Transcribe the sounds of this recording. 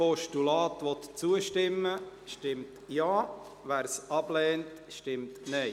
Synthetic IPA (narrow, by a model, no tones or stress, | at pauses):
pɔʃtulɑːtʋɔt̪t͡suəʃtɪmːəʃtɪmtjaː | ʋæːɾsʔɑb̥lɛːntʃtɪmtnɛɪ